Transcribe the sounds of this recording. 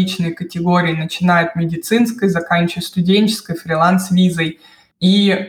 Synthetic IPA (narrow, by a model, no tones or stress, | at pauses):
it͡ɕnɨjkətʲɪɡoɾʲɪːnət͡ɕɪnajʊt̪̚mʲɪdʲɪt̪sɨnskəjzɐkanʲt͡ɕʊvət̪st̪ʊdʲenʲt͡ɕɪ̥skəjfɾʲɪlˠansvʲizəj | i